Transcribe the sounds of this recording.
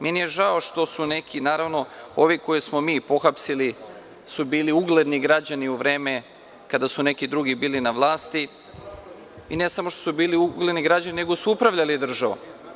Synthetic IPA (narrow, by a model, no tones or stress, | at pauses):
menije̞ʒao̞ʃt̪o̞sune̞kʰinaːɾaʋno̞o̞ʋiko̞jismo̞miːpo̞xapsili | subiːliuɡle̞d̪niɡɾad͡ʑaniuʋɾe̞ːme̞ | kad̪asune̞kid̪ɾuɡibiːlinaʋlˠaːst̪i | inesamoʃt̪osubiːliuɡled̪niɡɾad͡ʑanineɡo̞suupɾaʋʎalid̪r̩ʒaʋṵ